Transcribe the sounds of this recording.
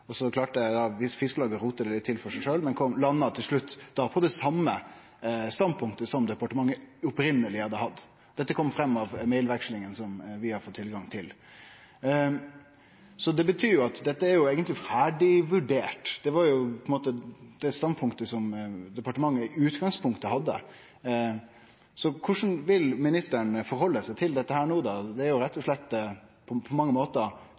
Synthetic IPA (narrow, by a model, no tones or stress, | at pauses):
ɔsɔkʰlɑːʈəd̪ɑʋɪsfɪskəlɑːɡəɾuːt̪əd̪ɛlɪt̪ʰːɪlfɔʂæɪʂøːlmɛnkʰɔmlɑnːɑt̪ʰɪlʂɭʉt̪ːd̪̥ɑpʰɔːd̪ɛsɑmːə | st̪ɑnd̪̚pʰʊŋkt̪əsɔmd̪ɛpɑʈəmɑŋːəɔpɾɪnːəlɪhɑd̪ːəhɑd̪ː | d̪ɛt̪ːəkʰɔmːfɾɛmːɑʋmeɪlʋɛkʂlɪŋənsɔmʋɪhɑɾfɔt̪ʰːɪlɡɑŋt̪ʰɪl | sɔd̪ɛbət̪ʰyːɾjʊɑt̪d̪ɛt̪ːəæɾjʊeːɡənt̪lɪfæːɖɪʋʉɖeːʈd̪̥ɛʋɑɾjʊpʰɔɛnmoːt̪əd̪̥ɛst̪ɑnd̪pʰʊŋkt̪əsɔmd̪ɛpɑʈəmɑŋːəʉːt̪ɡɑŋspʊŋkt̪əhɑd̪ːə̰ | sɔkʰʊʂn̩ʋɪlmɪnɪst̪əɳfɔɾhɔlːəsæɪt̪ʰɪld̪ɛt̪ːəhæːɳuːd̪ɑd̪ɛæɾjʊɾɛt̪ːɔʂɭɛt̪ːpʰɔpʰɔmɑŋːəmoːt̪ə